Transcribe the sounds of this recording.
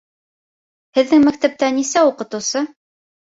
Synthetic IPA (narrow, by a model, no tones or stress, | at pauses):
hɘ̆ðːɘŋmækt̪æp̚t̪ænisæuqɤ̆t̪ɤ̆wsɤ